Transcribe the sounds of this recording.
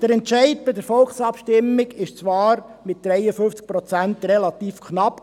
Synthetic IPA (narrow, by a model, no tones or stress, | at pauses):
d̥əɾɛntt͡ʃɛɪtbɪdəɾfɔlˠχsɑpʃtɪmːɪɡɪʃt͡sʋɑːɾ | mɪt̚d̪̥ɾɛjəfʏft͡sk̚pɾɔt͡sæntɾɛlɑt̪iːfkʰχnɑp